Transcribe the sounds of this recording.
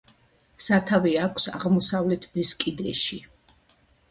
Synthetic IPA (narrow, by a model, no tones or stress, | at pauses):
sat̪ʰaviakʷʰsa̰ʁmɔsavlɛt̪ʰbɛskʼid̪ɛʃi